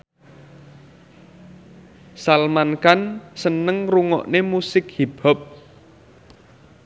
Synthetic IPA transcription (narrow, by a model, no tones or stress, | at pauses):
salmankansənəŋruŋɔ̰ʔnemusɪk̚hib̥ɔ̤p̚